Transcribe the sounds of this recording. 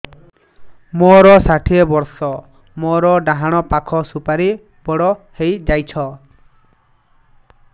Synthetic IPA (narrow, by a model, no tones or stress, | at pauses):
mɔɾɔsaʈʰiebɔɾsɔ | mɔɾɔɖaɦaɽ̃ɔpakʰɔsupaɾi | bɔɽɔhejd͡ʒajt͡ʃʰɔ